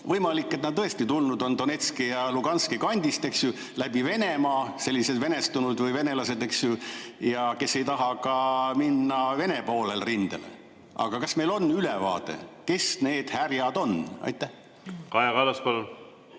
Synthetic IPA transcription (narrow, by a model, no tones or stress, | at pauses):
vɤjmɑlikˑːet̪nɑd̪̚t̪ɤ̞est̪it̪ulnud̪o̞nd̪̥o̞ne̞t̪skijɑluɡ̥ɑnskikɑnʲd̪̥ist̪e̞ksju | læb̥ive̞ne̞mɑːse̞lːise̞d̪ve̞ne̞st̪unud̪vɤjve̞ne̞lɑse̞d̪e̞ksjujɑke̞sːe̞jt̪ɑɦɑkɑminːɑve̞ne̞po̞ːlelrind̪̥ḛlḛ | ʔɑ̰ɡ̥ɑkɑsme̞jlo̞nːylevɑ̰ːd̪̥e̞̰ke̞sne̞ːd̪̥hærjɑd̪̥o̞nɑ̰jt̪ːˑæh | kɑjɑɡɑlɑspɑlun